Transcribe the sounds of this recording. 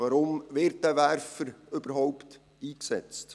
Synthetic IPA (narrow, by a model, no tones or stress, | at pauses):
ɑɾʊmʋɪːɾt̚d̥æʋæɾfəɾɵbəɾɦɔʊpt | iːksɛ̰t͡st